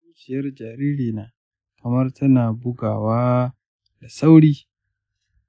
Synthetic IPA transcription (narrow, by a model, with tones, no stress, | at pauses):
ŋkʲɪ˦jɐ˦rd͡ʒaː˨ɾiː˦ɾiː˨naː˨ | kʰɐ˨mɐ˦rtʰɐ˦naː˨bʊ˦ɡaː˨waː˦ | da˨sa˦wɽiː˦